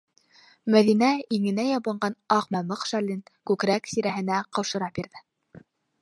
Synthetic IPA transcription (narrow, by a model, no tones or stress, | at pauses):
mæðinæiŋɘ̆næjɑβɤ̆ɴɢɑnɑqmɑmɤqʃælinkʉkɾæksiɾæɦɘ̆næqɤ̆wʃɤ̆ɾɑp̚biɾðɘ